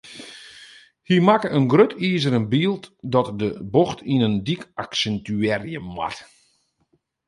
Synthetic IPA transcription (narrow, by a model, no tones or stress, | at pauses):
himakəənɡrøtʰiːzəɾənbiːlˠtdɔtdəboxtʰinəndikaksɛntyɛrjəma̰t